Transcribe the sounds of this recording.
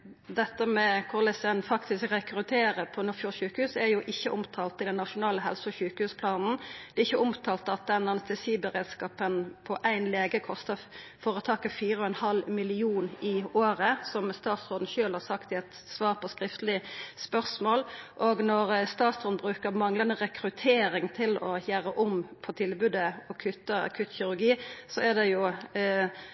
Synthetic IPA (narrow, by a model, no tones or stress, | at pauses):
d̪ɛt̪ːəmɛkʰʊʁlɛsɛnfɑkt̪ɪskɾɛkɾʉt̪ʰeːɾəpʰɔnɔfjuːçʉːkəhʉːsæɾjʊʔɪçːəʔʊmt̪ʰɑːlt̪ɪd̪ɛnːɑʂʊnɑːləɦɛ̰lsʊɔçʉːkəhʉːspʰlɑːnn̩d̪̥ɛɪçːəʊmt̪ʰɑːlt̪əɑt̪̚d̪ɛnɑnst̪ɛsiːbəɾeːd̪skɑːpənpʰɔʔæɪnleːɡəkʰɔst̪əfoːɾət̪ʰɑːkəfiːɾəɔɛnhɑlmɪlɪuːnɪoːɾəsɔmst̪ɑːt̪sʁoːd̪n̩ʃøːlhɑɾsɑkt̪ɪɛt̪ | sʋɑːʁpʰɔskɾɪft̪əlɪspœʁsmoːlʔoɡnɔʁst̪ɑːt̪sɔd̪bʁʉːkəɾmɑŋlɑnəɾɛkɾʉt̪ʰeːɾɪŋt̪ʰɪlɔ̰çæːɾəʔʊmpʰɔt̪ʰɪlbʉːd̪əɔkʰʉt̪ːəɑ̰kʰʉt̪çɪʁʉɾɡiːsɔæd̪ɛjʊ